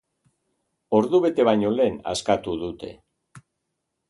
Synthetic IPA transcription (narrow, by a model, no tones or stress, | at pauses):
o̞ɾðuβe̞t̪e̞βajɲo̞le̞ːna̰skat̪uðut̪e̞̰